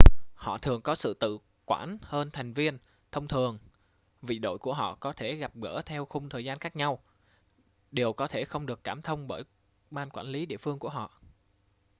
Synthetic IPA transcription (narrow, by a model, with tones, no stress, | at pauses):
hɔ̰˧˨t̪ʰɨ˨˩əŋkɔ˨˦sɨ̰˧˨t̪ɨ̰˧˨ | kwaː˧˩nhəː˧nt̪ʰa˨˩jŋ̟vi˧ən | t̪ʰə˧wŋ͡mt̪ʰɨ˨˩əŋ | vḭ˧˨ɗo̰˧˨jku˧˩əɦɔ̰˧˨kɔ˨˦t̪ʰe˧˩ɣa˨˩p̚ɣəː˧˥˩t̪ʰɛ˧wxʊ˧ŋ͡mt̪ʰəː˨˩jzaː˧nxaː˦˥k̚ɲa˧w | ɗe˨˩wkɔ˨˦t̪ʰe˧˩xə˧wŋ͡mɗɨ˨˩əkːaː˧˩mt̪ʰə˧wŋ͡mɓəː˧˩j | ɓaː˧nkwaː˧˩nli˨˦ɗḭ˧˨əfɨ˧əŋku˧˩əɦɔ̰˧˨